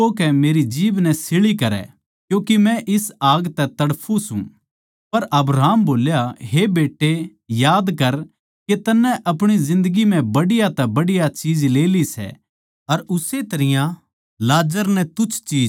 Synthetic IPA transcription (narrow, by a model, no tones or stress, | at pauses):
oːkɛmeːɾid͡ʒiːʋnɛsɪɭikɐɾɛ̰ | kjũːkimɛ̃ʔɪsaːɡt̪ɛt̪ɐɽpʰũsṵ̃ | pɐɾʔɐbɾaːmboːljaɦebeːʈːe | jaːd̪kɐɾ | ket̪ɐnːɛ̃ʔɐpɽ̃izɪ̃nd̪əɡimɛ̃bɐɽɪjat̪ɛbɐɽɪjat͡ʃiːd͡ʒleːlisɛ̰ | ɐɾʊset̪ɐɾɪjã | laːd͡ʒəɾnɛt̪ʊt͡ʃʰt͡ʃiːd͡ʒ